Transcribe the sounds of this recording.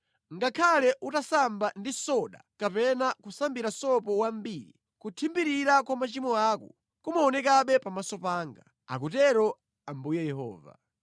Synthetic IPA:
ŋɡakʰalɛʔutasambandisɔɗa̰kapɛnakusambiɾasɔpɔwambiːɾḭ | kutʰimbiɾiɾakwamat͡ʃimɔaːku | kumaɔnɛkaɓɛpamasɔpaːŋɡa | a̰k̬utɛɾɔ | ambujɛjɛhɔ̰ːva̰

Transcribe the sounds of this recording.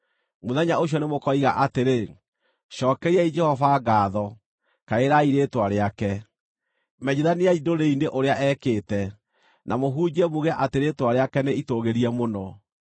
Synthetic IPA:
moðɛɲaoɕ̬jɔnemokɔiɣa̰ʔateɾe | ʃɔːkɛɾiɛid͡ʒɛhɔvaɡaːðɔ | kaeɾaiɾetwaɾeakɛ | mɛɲeðaniaidoɾeineʔoɾeaʔɛkeːtɛ | namoɦud͡ʒiɛmoɣɛʔateɾeːtwaɾeakɛneitoɣeɾiɛmonɔ

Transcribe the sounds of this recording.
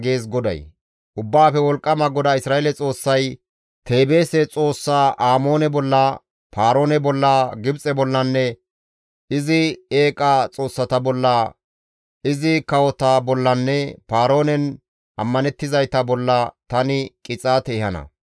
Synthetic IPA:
ɡe̞ːs̬ɡɔd̪ɐ̰j | ʔʊbːaːfɛwɔlkʼːɐmɐɡɔd̪ɐɪsɾaːʔelɛt͡sʼo̞ːsːɐj | t̪e̞ːbe̞ːsɛt͡sʼo̞ːsːaːʔaːmo̞ːnɛbɔlːɐ | paːɾo̞ːnɛbɔlːɐɡɪbt͡sʼɛbɔlːɐnːɛ | ɪzɪeːkʼat͡sʼo̞ːsːɐt̪ɐbɔlːɐ | ɪzɪkɐwɔt̪ɐbɔlːɐnːɛpaːɾo̞ːnɛn | ʔɐmːɐnɛt̪ːɪzɐjt̪ɐbɔlːɐt̪ɐnɪkʼɪt͡sʼat̪eːhɐnɐ̰

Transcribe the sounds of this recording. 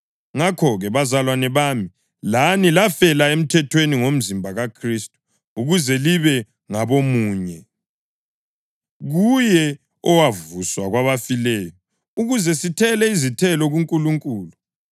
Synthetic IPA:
ŋakʰɔɣɛβazalwanɛβaːmi | lanilafɛlaem̩tʰɛtʰweniŋom̩zimbʱaɣakʰristʼu̥ | uɣuzɛliβɛ | ŋaβomuːɲɛ | ɣujɛ | ɔwavuswaɣwaβafilɛːjɔ | uɣuzɛsitʰɛlɛizitʰɛlɔɣuŋkʼuluŋkʼuːlu

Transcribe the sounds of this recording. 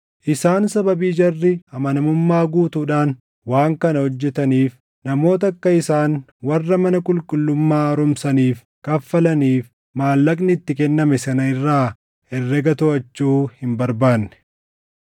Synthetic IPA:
ʔɪsaːnsɐbɐbiːd͡ʒɐrːɪɐmɐnɐmʊmːaːɡuːt̪uːᶑaːn | waːŋkɐnɐhɔd͡ʒːɛt̪ɐniːf | nɐmo̞ːt̪ɐkːɐɪsaːn | wɐrːɐmɐnɐkʼʊlkʼʊlːʊmːaːɐɾʊmsɐniːf | kɐfːɐlɐniːf | maːlːɐkʼnɪːt̪ːɪkɛnːɐmɛsɐnɐɪrːaː | ɛrːɛɡɐt̪ʊɐt͡ʃːuːhɪmbɐɾbaːnːɛ̥

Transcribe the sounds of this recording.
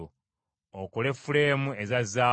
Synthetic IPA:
o | okole̞fuleːmuezazaː

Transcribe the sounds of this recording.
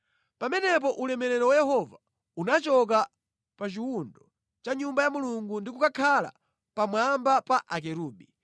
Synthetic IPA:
pamɛnɛp̬ɔʔulɛmɛɾɛɾɔwajɛɦɔva | unat͡ʃɔk̬a | pat͡ʃiwundɔ | t͡ʃaɲumbajamuluŋɡundikukakʰala̰ | pamwambapaʔak̬ɛɾuːbi

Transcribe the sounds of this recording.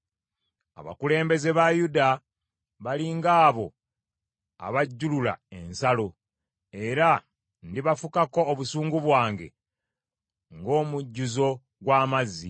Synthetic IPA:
a̰βa̰kule̞ːmbe̞ze̞βajuda | βaliŋɡaːβo̞ | a̰βaɟːulula̰e̞nsalo̞ | e̞ɾa | ndiβafukako̞ːβusuːŋɡuβwaːŋɡe̞̰ | ŋɡo̞ːmuɟːuzo̞ | ɡwaːmazːi

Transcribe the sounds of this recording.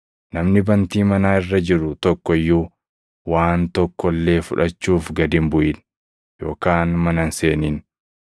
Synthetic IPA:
nɐmnɪbɐnt̪iːmɐnaːɪrːɐd͡ʒɪɾʊt̪ɔkːɔɪjːuː | waːnt̪ɔkːɔlːe̞ːfʊᶑɐt͡ʃːuːfɡɐd̪ɪmbʊʔɪn | jo̞̰ːkaːnmɐnɐnseːniːn

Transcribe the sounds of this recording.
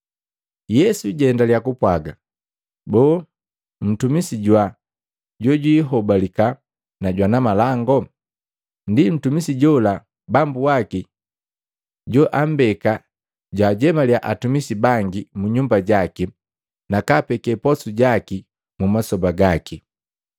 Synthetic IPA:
jɛsuɟɛndaljakupwaɡa | bɔː | m̩tumisiɟwa | ɟɔɟwiːɦɔbalika | naɟwanamalaŋɡɔ | ndim̩tumisiɟɔla | bambuwaki | ɟɔʔam̩bɛka | ɟwaːɟɛmaljaʔatumisibaŋɡimuɲumbaɟaki | nakapɛkɛpɔsuɟaki | mumasɔbaɡaki

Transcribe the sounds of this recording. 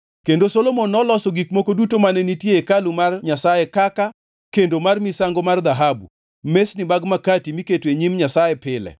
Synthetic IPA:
kendosolomonːɔlɔsɔɡikmokodutomanɛnitjeekalumarɲasajɛkaka | kendomarmisaŋɡomard̪aɦabṵ | mesnimaɡmakatimiketweɲimɲasajɛpɪlɛ̰

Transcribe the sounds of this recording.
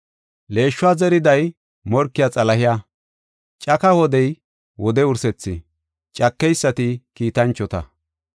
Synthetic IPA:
le̞ːʃːʊaːzɛɾɪd̪ɐj | mɔɾkːɪjat͡sʼɐlɐhɪja | t͡ʃʼɐkɐwɔd̪ɛj | wɔd̪ɛʊɾsɛt͡sːɪ̰ | t͡ʃʼɐkːɛjsːɐt̪ɪkiːt̪ɐnt͡ʃːɔt̪ɐ̰

